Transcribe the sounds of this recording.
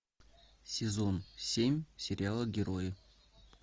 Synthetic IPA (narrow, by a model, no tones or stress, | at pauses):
sʲezo̞nsʲemʲsʲeɾʲɪalˠəɡʲɪɾojə